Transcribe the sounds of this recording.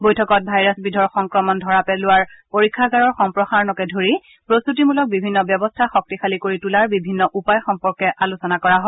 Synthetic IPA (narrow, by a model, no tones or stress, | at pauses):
bojtʰɔkɔt̚bʱajɹasbidʱɔɹxɔŋkɹɔmɔndʱɔɹapɛlʊwaɹpoɹikʰːaɡaɹɔɹxɔmpɹɔxaɹnɔkɛdʱoɹi | pɹostutimulɔk̚bibʱinːɔbjɛbɔstʰaxɔk̚tixalikoɹitulaɹbibʱinːɔʔupajxɔmpɔɹkɛʔalusɔnakɔɹaɦɔ